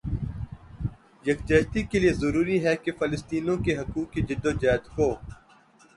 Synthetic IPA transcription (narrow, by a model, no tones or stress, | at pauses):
jɐkd͡ʒɐːt̪ikeliezəɾuːɾiɦɛkefɐlɪst̪iːnõkeɦɐkuːkːid͡ʒɪd̪ːod͡ʒaːd̪koː